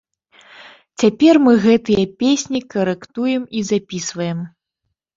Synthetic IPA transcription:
t͡sʲapʲɛrmɨɣɛt̪ɨjɐpʲesʲnʲikɐɾɛkt̪ujɛmizapʲisvɐjɛm

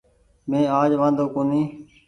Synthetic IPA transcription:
mẽːaːd͡ʒʋãːnd̪oːkõːnĩː

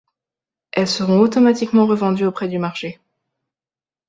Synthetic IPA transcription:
ɛlsəʁɔ̃ot̪ɔmat̪ikmɑ̃ʁəvɑ̃d̪yopχɛd̪ymaʁʃe

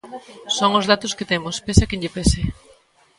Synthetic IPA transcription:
soŋozðat̪ʊsket̪emʊspesakeɲʎepesɪ

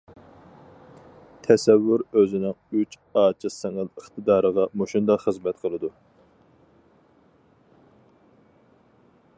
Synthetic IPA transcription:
t̪ʰɛsɛvːyɾøzɪnɪŋyt͡ʃ | ɑːt͡ʃʰɨsɛŋəlˠəχt̪ʰɨd̪ɑːɾəʁɑmoʃund̪ɑχəzmɛt̪qʰəlˠɨd̪u

